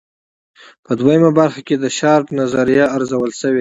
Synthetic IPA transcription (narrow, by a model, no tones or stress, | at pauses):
pəd̪wajəmabaɾxaked̪əʃɑɾt̪nazaɾijaːɾzawəlsəwe